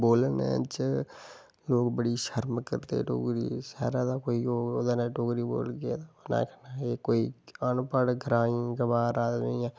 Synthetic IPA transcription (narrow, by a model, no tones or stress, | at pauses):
boːlənɛ̰̃t͡ʃ | loːkbəɽiːʃəɾmkəɾt̪ḛːʈo̰ːɡɾḭːsɛːɾaːd̪aːkoːiːoːoːd̪aːnãːʈoːɡɾiːbo̰ːlɡad̪ana̰ːkʰənaeːkoːiːanpəɽɡʱəɾaːĩɡəʋaːɾaːĩːãː